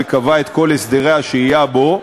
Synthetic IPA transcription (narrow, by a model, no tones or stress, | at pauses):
ekavaet̪ko̞lesd̪eʁeaʃeijabo̞